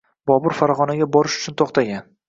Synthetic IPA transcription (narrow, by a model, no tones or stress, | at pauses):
bɒbʊɾfaɾɒʁɒnaɡʲabɒɾɪʃʊ̥t͡ʃʰʊnt̪ʰoqt̪ʰaɡʲan